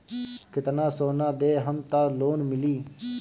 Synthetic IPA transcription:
kɪt̪nãːsoːnãːd̪eːɦəmt̪aːloːnmɪliː

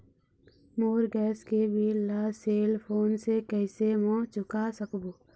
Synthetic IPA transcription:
moːɾɡɛːskebillaːseːlpʰoːnsekɛɪsemɔ̃ːt͡ʃʊkasəkboː

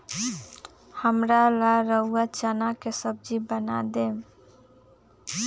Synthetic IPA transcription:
həmɾalaɾəuat͡ʃanakesəb̚d͡ʒibəna̰d̪em

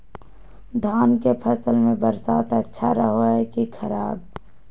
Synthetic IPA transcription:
d̪ʱaːnkepʰəsəlmẽbəɾsaːt̪ətːʃʰaɾəɦoɦɛkikʰəɾaːb

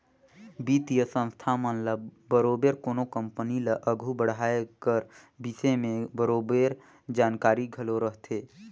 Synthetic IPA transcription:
biːt̪ijəsə̃ñst̪ʰamənləbbəɾoːbeɾkoːnokə̃mpəniləʔəɡʱubəɽ̤aːekəɾ | bisemẽbəɾoːbeːɾ | d͡ʒaːnkaːɾiɡʱəloɾəɦt̪ʰeː

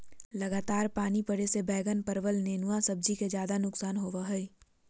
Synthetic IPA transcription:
lɐɡaːt̪aːɾpaːnipəɽesebɛːɡənpəɾʋəlneːnʊwasɐb̚d͡ʒiked͡ʒjaːd̪anʊksaːnɦoːʋəɦɛi

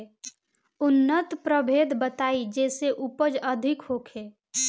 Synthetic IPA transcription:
ʊnːət̪pɾəbʱeːd̪bət̪aːid͡ʒɛːseʔupəd͡ʒəd̪ʱɪkhoːkʰeː

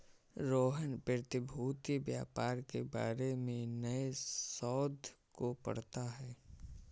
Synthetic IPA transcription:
ɾoːɦənpət̪ɪbʱuːt̪ibjaːpaːɾkebaːɾemẽnəesɔːd̪ʱkopə̰ɽ̤t̪aɦɛː

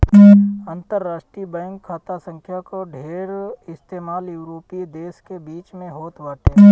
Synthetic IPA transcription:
ənt̪əɾːaːʃʈɾibɛ̃ːŋkʰːaːt̪asə̃ŋkʰjakoɖʱeːɾɪst̪eːmaːljuːɾoːpid̪eːskebiːt͡ʃmẽɦoːt̪ʋaːʈe

